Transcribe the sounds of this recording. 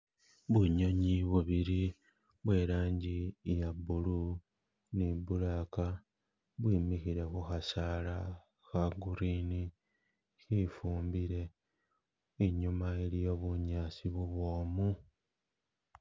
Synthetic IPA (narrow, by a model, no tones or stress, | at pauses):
βuɲo̞ɲiβuβiɾi | βwe̞ːɾaːɲɟijabulu | nibulaka | βwiːmixiɾe̞xuxasala | xaɡuɾiːni | xifuːmbiɾe̞ | eɲumaelijo̞βuɲaːsiβuβwo̞ːmu